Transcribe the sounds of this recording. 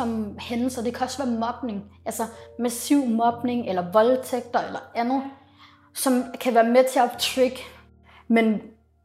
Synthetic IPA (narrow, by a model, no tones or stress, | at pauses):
ɒ̽mhen̩sɒd̥e̝kʰæɒ̽sʋæːɐmɒ̽b̥ne̝ŋʔælsɐmæsiʊ̰mɒ̽b̥ne̝ŋelɐʋɒ̽lt͡sʰeɡ̥̚d̥ɐelɐænð̩ˠ | sɒ̽mkʰæʋæːɐmet͡sʰe̝ɐt͡sʰʁeɡ̥ə | men